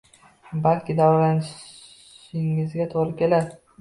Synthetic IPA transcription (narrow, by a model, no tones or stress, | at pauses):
balkʲɪd̪awɒɾlanɪʃ | ɪŋɪzɡʲat̪ʰoɾɪkʲʰe̞lad̪ɪ